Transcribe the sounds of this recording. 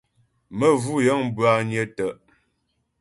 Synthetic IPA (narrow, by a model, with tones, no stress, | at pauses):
mə˦vu˦˨jə˦ŋm˦bɰa˨ɲjə˦tə˨ʔ